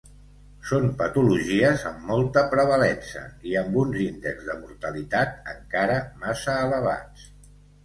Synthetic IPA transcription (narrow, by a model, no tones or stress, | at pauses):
sompət̪uluʒiəzə̰mːɔlˠt̪əpɾəβ̞əlɛnsə̰iəmbunzind̪ə̰ɡzðəmuɾt̪əlit̪at̪̚ə̰ŋkaɾəmasəːləβ̞a̰t͡s